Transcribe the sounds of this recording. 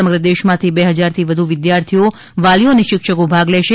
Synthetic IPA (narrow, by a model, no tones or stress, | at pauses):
əməɡɾəd̪eʃmãt̪ʰibeɦəd͡ʒaɾt̪ʰiʋəd̪ʱuʋɪd̪jaɾt̪ʰijo | ʋalioəneʃɪkʃəkobʱaɡlɛʃe